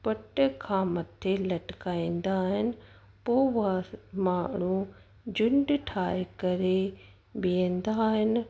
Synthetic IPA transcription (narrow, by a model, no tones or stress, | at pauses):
pəʈkʰãːmət̪ʰːeləʈkaːĩːnd̪aːɦɪn | poːʋaːmaːɳ̤ũː | d͡ʒʊɳɖʈʰaːkəɾe | biẽnd̪aːɦɪn